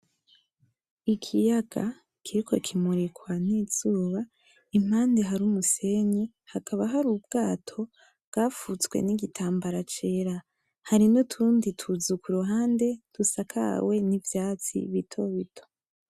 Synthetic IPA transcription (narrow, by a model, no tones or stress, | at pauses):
ikʰijaɡ̥a̰ | kʰiɾikʰo̞̰kʰimuɾekwanizuːβa | im̥haːnde̞ɦaɾumuse̞ɲi | hakaβaɦaɾub̚ɡaːtʰo̞ | bɡ̥aːfut͡sɡwe̞̰niɡitʰaːmbaɾat͡ʃe̞ːɾa | haɾinutʰuːnditʰuzukuɾuɦaːnde̞d̥usakʰa̰we̞nivjaːt͡sḭβitʰo̞βitʰo̥